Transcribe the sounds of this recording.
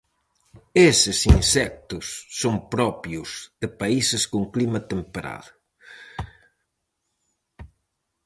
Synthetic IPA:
esɪsinsɛk̚t̪ʊsːoŋpɾɔpjʊzðɪpaisɪskoŋklimɐt̪empeɾa̰ðʊ

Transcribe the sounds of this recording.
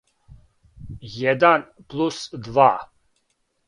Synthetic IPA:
jɛd̪an | pʰlusd̪va

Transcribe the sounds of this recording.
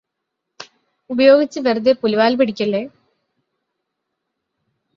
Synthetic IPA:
ubɐjo̞ːɡit͡ɕːɨʋerd̪epuluʋaːlpiɽikʲːɐɭːeː

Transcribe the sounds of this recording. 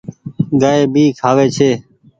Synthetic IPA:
ɡaːeːbʱiːkʰaːʋeːt͡ʃʰeː

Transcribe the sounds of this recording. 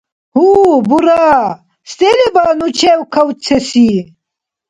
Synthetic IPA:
hubuɾa | st̪elebɐnut͡ʃʰewkʰɐwt͡sʰesi

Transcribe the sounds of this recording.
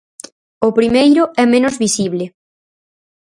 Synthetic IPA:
ʊpɾimejɾʊɛmẽnʊzβisiβlɪ

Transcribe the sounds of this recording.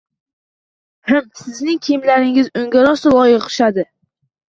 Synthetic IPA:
hɨmsɪznɪŋkʲʰɪmlaɾɪŋɪzɵŋɡʲaɾɒst̪lˠɒjɪqqʰɨ̥ʃad̪ɪ

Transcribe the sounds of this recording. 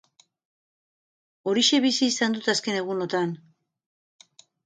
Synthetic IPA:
o̞ɾiʃe̞βisiːsand̪ut̪aske̞ne̞ɣ̞uno̞t̪an

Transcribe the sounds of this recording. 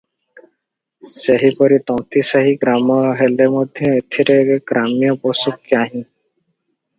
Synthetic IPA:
seɦipɔɾit̪ɔ̃w̃t̪isaɦiɡɾamɔɦelemɔd̪ʱjɔet̪ʰiɾeɡɾamjɔpɔsukːjaɦĩ

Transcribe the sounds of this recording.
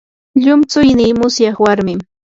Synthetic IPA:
ʎʊmt͡sʊjnɪːmʊsjɑχwaɾmɪm

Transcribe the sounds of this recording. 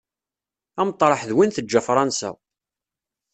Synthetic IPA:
æmt̪ˤːɾˤɑħðwinθəd͡ʒːæfɾˤɑnsæ̰

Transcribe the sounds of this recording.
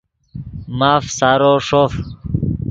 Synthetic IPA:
maːfsaːɾoːʂoːf

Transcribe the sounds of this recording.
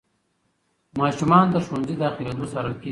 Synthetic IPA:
mɑːʃumɑːnd̪əʃunzid̪ɑːxiled̪osɐɾake

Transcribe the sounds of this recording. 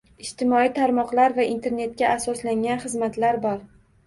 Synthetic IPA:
ɪʃt̪ɪmɒit̪ʰaɾmɒqlaɾvaʔint̪ʰe̞ɾne̞t̪̚kʲaasɒslaŋʲanχɨzmat̪laɾbɒɾ

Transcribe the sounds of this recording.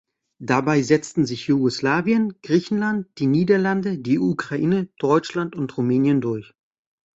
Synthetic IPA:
d̥abaɪzɛt͡stn̩zɪçjuɡoslaːvjənɡ̥ʁiːçn̩lant̚d̥iːniːdɐlandədiːʔukʁ̥aʔiːnəd̥ɔʏt͡ʃlantʊntʁumɛːnjəndʊɐç

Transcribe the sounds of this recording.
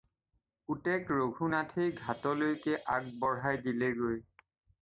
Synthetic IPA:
utɛkɹoɡʱunatʰejɡʱatɔlojkɛʔak̚bɔɹɦajdilɛɡoj

